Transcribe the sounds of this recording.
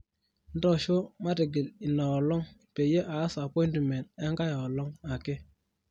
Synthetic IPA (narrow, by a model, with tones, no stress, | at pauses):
n̩˦dɔ˨ʃo˦ma˦te˨ɡi˨li˨naː˨lɔ˦ŋpe˨je˦ʔaː˨˦sa˨pɔ˦i˦ntmɛ˨ntɛ˦ŋka˦jɔ˨ɔ˨lɔ˦ŋa˨ke˦